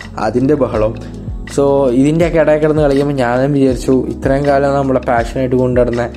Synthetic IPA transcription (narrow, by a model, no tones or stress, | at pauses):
ɐ̰ðinde̞bɐɦɐɭɐm | soːiðindeɐkːeɽɐjekːiɽɐnːɨkɐɭikːumboɲaːnɐumʋid͡ʑaːɾit͡ɕːuḭt̪rɐjɐŋkaːɾjɐmnɐmːuɭːɐpaːʂɐnaːjiʈːɨko̞ɳɖɐɽunːɐ